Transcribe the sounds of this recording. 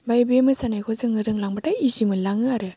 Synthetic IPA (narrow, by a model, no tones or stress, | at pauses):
bajbemɯsanajkʰɔzɯŋɯɾɯŋlaŋbataizimɯlaŋɯaɾɯ